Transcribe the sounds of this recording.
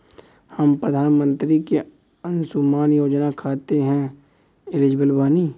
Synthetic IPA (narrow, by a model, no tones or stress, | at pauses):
həmpɾəd̪ʱaːnmə̃nt̪ɾike | ə̃nsumaːnjoːd͡ʒnakʰaːt̪eɦɛ̃ | ɪlɪd͡ʒbəlbaːni